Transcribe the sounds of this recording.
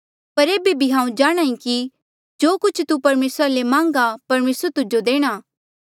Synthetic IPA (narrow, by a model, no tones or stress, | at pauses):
pɐɾeːbebʱiɦãːũd͡ʒaːɽ̃ãːĩki | d͡ʒoːkʊt͡ʃʰt̪upɐɾmeːsɾalemãːŋ̆ɡapɐɾmeːsəɾt̪ʊd͡ʒod̪eːɽ̃aː